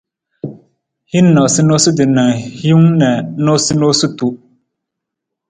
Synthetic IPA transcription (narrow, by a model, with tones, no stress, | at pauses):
hi˦nː˦a˨si˦noː˦sɨ˦dɨ˨na˨ŋhi˦ŋnɛ˨˦no˦si˦no˦su˦tu˦